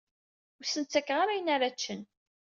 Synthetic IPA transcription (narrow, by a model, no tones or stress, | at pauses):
ʊɾsənt͡sːækːʁaɾajənaɾæt͡ʃːən